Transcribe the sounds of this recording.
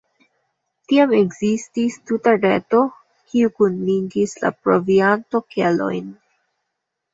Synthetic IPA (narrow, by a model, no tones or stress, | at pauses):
tiameɡzististutaɾe̞to̞ | kiukunliŋɡisla̰pɾo̞vianto̞ke̞lo̞̰jn